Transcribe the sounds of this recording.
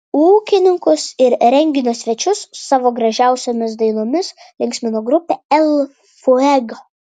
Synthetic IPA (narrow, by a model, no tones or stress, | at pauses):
uːkʲɪnʲɪŋkʊsɪɾɾʲɛŋʲɡʲɪnʲoːsʲʋʲɛt͡ʃʲʊsːɑːʋoːɡɾɐʒʲæˑʊsʲoːmʲɪs̬d̪ɐɪnoːmʲɪslʲɪŋʲksʲmʲɪnoːɡɾʊpʲeɛlˠ | foɛɡo